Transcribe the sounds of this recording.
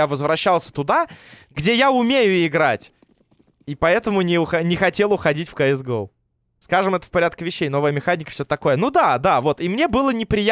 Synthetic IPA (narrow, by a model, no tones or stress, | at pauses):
avəzvɾɐɕːalˠsʲə̥t̪ʊd̪aɡdʲejaʊmʲejʊɪɡɾa̰tʲ | ipɐɛt̪əmʊnʲɪʊxɐnʲɪxɐtʲe̞lˠʊxɐdʲitʲfkɐɪzɡolˠ | skaʐɨmɛt̪ə̥fpɐɾʲæt̪̚kʲɪvʲɪɕːejn̪ovəjəmʲɪxanʲɪkə̥fsʲɵt̪ɐko̞jənud̪ad̪avo̞t̪imnʲebɨlˠənʲɪpɾʲɪja